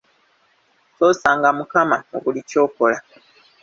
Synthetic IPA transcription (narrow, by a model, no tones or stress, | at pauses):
to̞ːsaːŋɡamukamao̰ɡulico̞ːko̞la